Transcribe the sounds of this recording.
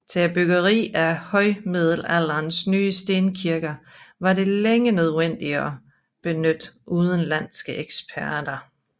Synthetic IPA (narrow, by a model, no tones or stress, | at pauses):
t͡sʰeb̥yɡ̥ɐʁḭːæhɒ̽ɪmið̰ˠl̩æl̰ɐːnsnyːəsd̥e̝ːnkʰiɐɡ̥ɐʋɑ̈ɾe̝leŋənøðˠen̰d̥iɐː | b̥e̝nød̥ʔuːð̞ˠən̩læn̰sɡ̥əʔeɡ̥spʰæɐd̥ɐ